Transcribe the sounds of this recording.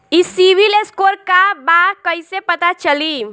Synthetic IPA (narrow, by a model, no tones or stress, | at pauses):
isibileskoɾkabakəjsepət̪at͡ʃəli